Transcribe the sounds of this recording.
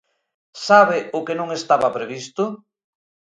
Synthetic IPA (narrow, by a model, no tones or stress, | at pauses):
saβɪʊkenõŋest̪aβapɾeβist̪ʊ